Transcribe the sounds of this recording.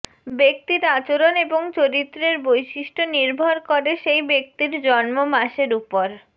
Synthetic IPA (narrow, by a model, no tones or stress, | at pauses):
bek̚t̪iɾat͡ɕoɾoneboŋt͡ɕoɾit̪ːɾeɾbojʃiʃʈʰoniɾbʱoɾkoɾeʃejbek̚t̪iɾd͡ʑɔnmomaʃeɾupoɾ